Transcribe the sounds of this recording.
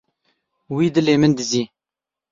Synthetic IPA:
wiːd̪ɨleːmɨnd̪ɨziː

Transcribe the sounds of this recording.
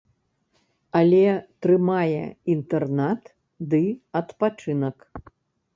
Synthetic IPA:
ɐlʲɛt̪ɾɨmajɛ̰int̪ɛrnat̪ | d̪ɨɐt̪pat͡ʂɨnɐk

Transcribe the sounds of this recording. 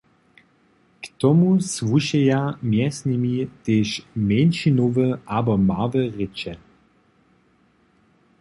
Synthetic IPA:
kt̪ɔmusvuʃɛjamjɛsnimit̪eːʃmenʃinovəabɔmavəʁet͡ʃɛ

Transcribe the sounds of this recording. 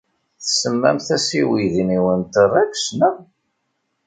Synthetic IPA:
θəsəmːæ̰mθæsiwiðiniwənt̪ərˤːæksnəm

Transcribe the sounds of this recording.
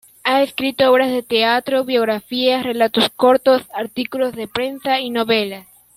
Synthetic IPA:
aeskɾit̪ooβɾazðet̪eat̪ɾoβjoɣɾafiasrelat̪oskoɾt̪osaɾt̪ikulozðepɾensainoβela

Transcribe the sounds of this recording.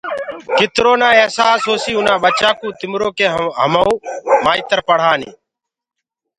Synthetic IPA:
kɪt̪ɾoːnaːeːsaːsɦoːsiːʊnãːɓət͡ʃaːkũːt̪ɪmɾoːkeːɦəmauːmaːiːt̪əɾpəɽ̤aːnḭː

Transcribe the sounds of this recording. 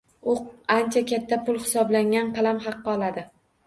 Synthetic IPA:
ʊant͡ʃʰakʲʰat̪ʰːapʰʊlˠhɪ̥sɒblaŋʲanqʰɑlamχɑqːɒlˠad̪ɪ

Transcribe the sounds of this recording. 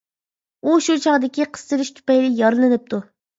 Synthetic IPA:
uʃut͡ʃʰɑʁd̪ɪkʲiqʰə̥st̪ɨɾɪʃt̪ʰu̥pɛjlɪjɑɾlˠɨnɨp̚t̪ʰu

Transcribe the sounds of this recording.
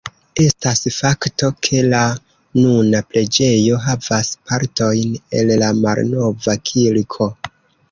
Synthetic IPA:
e̞stasfakto̞kʰe̞la | nunapɾe̞d͡ʒe̞jo̞ɦavaspaɾto̞jne̞llamalno̞vakʰilkʰo̞

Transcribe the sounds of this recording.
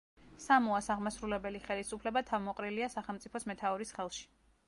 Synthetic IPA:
samɔasaʁmasɾulɛbɛliχɛlisupʰlɛbat̪ʰavmɔqʼɾiliasaχɛlˠmt̪sʼipʰɔsmɛt̪ʰaɔɾisχɛlˠʃi̥

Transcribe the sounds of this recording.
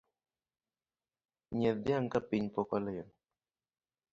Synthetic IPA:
ɲɛdjaŋkapiɲpɔkɔlɛjɔn

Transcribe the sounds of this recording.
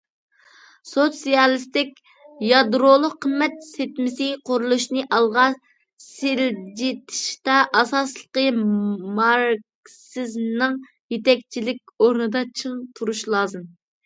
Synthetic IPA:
sosijɑlˠɨst̪ɪkʲ | jɑd̪ɾolˠʊqʰːəmːɛt̪set̪mɪsɪqʰʊɾulˠuʃnɨʔɑlˠʁɑ | sɪld͡ʒit̪ʰɪ̥ʃt̪ɑʔɑsɑslˠəqəmɑɾk | sɪznɨŋ | jet̪ɛk̚ʲt͡ʃʰilɪkʲoɾnɨd̪ɑt͡ʃʰɨŋt̪ʰuɾuʃlˠɑːzɨn

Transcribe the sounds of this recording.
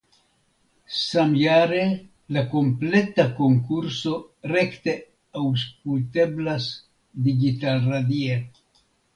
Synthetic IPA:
samjaɾe̞ | lako̞mple̞tako̞ŋkuɾso̞ɾe̞kte̞ | awsk̚ulte̞blas | diɡitalɾadie

